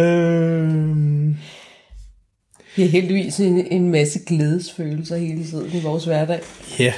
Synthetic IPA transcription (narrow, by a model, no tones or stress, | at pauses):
ø | m | iæɦeld̥iʋḭːsee̝nmæsəɡ̥leːð̞ˠəsføːl̩sɐhe̝ːlət͡sʰið̞̰ˠn̩iʋɒːsʋæɐdɛ̰ɪ̰jæ